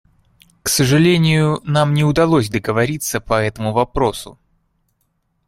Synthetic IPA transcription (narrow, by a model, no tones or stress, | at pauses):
ksəʐɨlʲenʲɪjʊnamnʲɪʊd̪ɐlˠosʲd̪əɡəvɐɾʲit̪səpɐɛt̪əmʊvɐpɾo̞sʊ̰